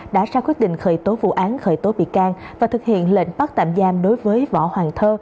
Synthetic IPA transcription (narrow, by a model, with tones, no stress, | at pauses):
ɗa̰ː˧˥saː˧kwi˦˥t̚ɗḭ˧˨ŋ̟xəː˧˩jt̪o˨˦vṵ˧˨ʔaː˨˦nxəː˧˩jt̪o˨˦ɓḭ˧˨kaː˧ŋ | vaː˨˩t̪ɨ˨˩k̚hḭ˧˨ənlḛ˧˨nɓa˦˥k̚t̪a̰ː˧˨mzaː˧˩mɗo˨˦jvəː˨˦jvɔ̰˧˥hwaː˨˩nt̪ʰəː˧